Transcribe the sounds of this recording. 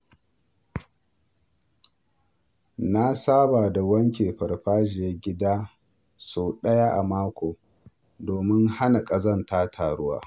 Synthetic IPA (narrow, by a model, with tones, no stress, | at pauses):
na˦saː˦baː˨da˨wɐ˦ŋkʲeː˨ɸɐ˨ɽɸaː˦ʒɪ˨je˦ɡʲɪ˦daː˦ | su˨ɗɐ˦jaː˦ʔa˨maː˦kʷoː˨ | doː˨mɪ˦ŋha˦na˨kʼɐ˨zɐ˦˨ntaː˦tʰaː˨ɽʊ˦wa̰ː˦